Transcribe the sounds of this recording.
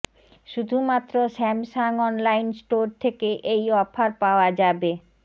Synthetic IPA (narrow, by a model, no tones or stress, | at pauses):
ʃud̪ʱumat̪ːɾoʃɛmʃaŋɔnlajnsʈoɾt̪ʰekeʔejɔfʰaɾpaoad͡ʑabe